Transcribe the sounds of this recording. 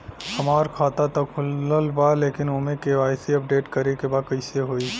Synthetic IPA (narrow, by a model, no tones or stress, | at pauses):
hɐmaːɾkʰaːt̪at̪ɐkʰʊləlbaleːkɪnoːmẽkeʋaːɪsiɐp̚ɖeːʈkəɾekebaːkɐɪseɦoːi